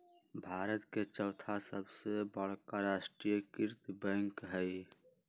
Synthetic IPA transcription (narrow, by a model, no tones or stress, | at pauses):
bʱaːɾət̪ket͡ʃəʊt̪ʰasəbsebəɽ̤kaɾasʈɾijkiɾt̪bə̃ŋkɦəj